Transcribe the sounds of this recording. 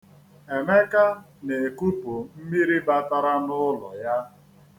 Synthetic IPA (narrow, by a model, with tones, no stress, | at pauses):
e˨me˦ka˦ | ne˨e˨ku˦pu˨m̩˦mi˦ɾi˦ba˦ta˦ɾa˦nʊ˦lɔ̰˨ja˦